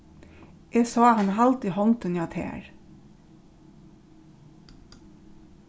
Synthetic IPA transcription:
ʔeːsɑːhɑnɑlt̪ihɔŋt̪ʉnjɑt̪ʰḛːɹ

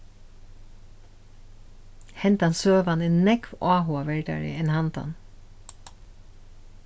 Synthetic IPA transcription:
hɛnt̪ɑnsøːʋɑnɪnnɛkʋʔɑːɦʊɑʋɛɹɖæ̰ɹɪ̰ɛnhɑnt̪ɑ̰n

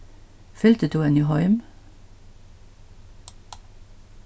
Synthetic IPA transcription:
fʏlt̪ət̪ʰuːɛniːhɔʏm

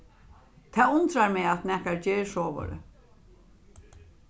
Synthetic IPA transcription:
t̪ʰaːʊnt̪ɾaɹmɛat̪nɛhkaɹd͡ʒeːɹʂoːʋɔ̰ɾə̰

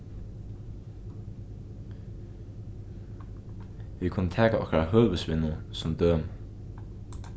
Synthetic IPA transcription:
ʋikʰʊnːət̪ʰɛːkaʔɔhkɾahœːʋəsʋɪnəsɔmd̪øːm

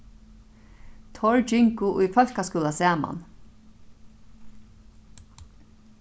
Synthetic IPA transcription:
t̪ʰɔɹd͡ʒɪŋkʊʔʊjfœl̥kaskuːlasæːma̰n

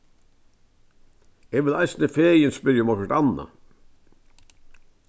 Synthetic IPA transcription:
ɛʋɪlajsnəfeːjɪnspɪɾjmɔkəɾt̪anːa̰

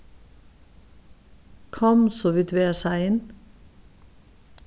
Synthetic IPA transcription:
kʰɑmsoʋɪt̪ʋeːəsæɪɪn

